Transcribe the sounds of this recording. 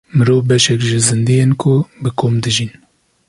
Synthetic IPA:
mɨɾoːvbɛʃɛkʒɪzɨnd̪ijenkʰʊbɨkʰoːmd̪ɨʒin

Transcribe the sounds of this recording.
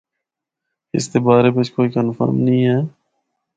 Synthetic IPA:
ɪ̰st̪eːbaːɾeːbet͡ʃkoːiːkənfa̰ːmnəĩːɦɛː

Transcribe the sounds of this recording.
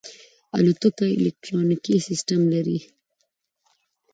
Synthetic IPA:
a̰lut̪əkaɪ̰lek̚ʈɾɑnikisɪsʈamlaɾi

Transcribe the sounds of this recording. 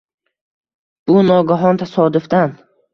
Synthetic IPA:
b̥ʊnɒɡaɦɒnt̪ʰasɒd̪ʊfd̪an

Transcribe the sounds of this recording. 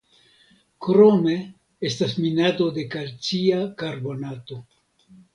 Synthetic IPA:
kɾo̞me̞ | e̞stasminato̞de̞kalt͡siakaɾbo̞nato̞

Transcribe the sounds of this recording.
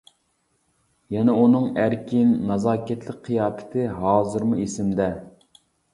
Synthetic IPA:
jɛnɛunɨŋæɾkʲʰinːɑzɑːkʲʰɛt̪ʰlɪk̚ʲqʰːijɑːt̪ʰɨ̥t̪ʰɨɦɑːzɨɾmuesɪmd̪ɛ

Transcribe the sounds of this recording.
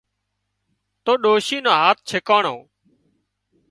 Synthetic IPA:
t̪oːɗoːʃiːnõːɦaːt̪̚t͡ʃʰekaːɳoː

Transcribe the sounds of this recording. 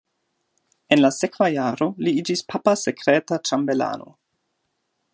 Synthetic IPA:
enlasekvajaːɾo̞liid͡ʒispʰapasekɾeːtatɾambela̰ːno̰

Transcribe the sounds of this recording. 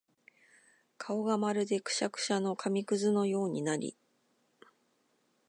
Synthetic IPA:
kʰao̞ɡamaɾɯ̟d̪e̞kɯ̟̥ɕakɯ̟̥ɕano̞kʰamʲikɯ̟zɨno̞jo̞ːɲ̟inaɾʲḭ

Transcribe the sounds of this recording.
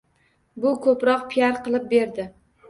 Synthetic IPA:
bʊkʰɵpɾɒqpʰijaɾqʰɨlˠɪp̚be̞ɾd̪ɪ

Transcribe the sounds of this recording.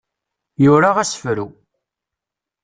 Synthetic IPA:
jʊɾaʁæsə̥fɾu

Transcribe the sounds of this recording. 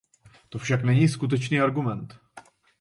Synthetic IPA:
t̪o̞fʃaknɛɲiːskut̪̬ɛt͡ʃniːaɾɡumɛnt̪

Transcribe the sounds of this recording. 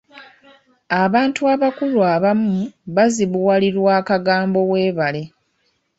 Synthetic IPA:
aβaːntuaβakulwaβamuβaziβuwaliɾwaːkaɡaːmbo̞we̞ːβale̞

